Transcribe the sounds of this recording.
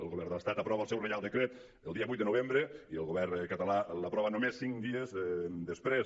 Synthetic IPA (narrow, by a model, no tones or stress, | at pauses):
ə̰lɣoβɛrnd̪əəst̪at̪əpɾɔβəlˠsɛwrejalˠd̪əkɾet̪ | əlˠd̪iəβujt̪̚d̪ənoβ̞embɾəiəlˠɣoβɛrkət̪əlaləpɾɔβənomesːiŋkd̪iəzd̪əspɾes